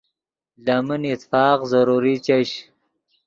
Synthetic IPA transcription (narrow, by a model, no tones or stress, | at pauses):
laminit̪fɑːqzɐɾuɾit͡ɕɐɕ